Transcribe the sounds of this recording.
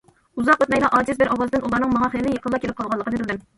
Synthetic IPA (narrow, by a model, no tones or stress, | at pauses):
uzɑqøt̪mɛjʲlˠɑʔɑːd͡ʒɪzbɪɾʔɑwɑzd̪ɪnʔulˠɑɾnɨŋmɑɦɑχəlɪlɪjəqʰəlˠːɑkʲʰelɪp̚qʰɑlˠʁɑlˠːəqənɨbɪlʲd̪ɪm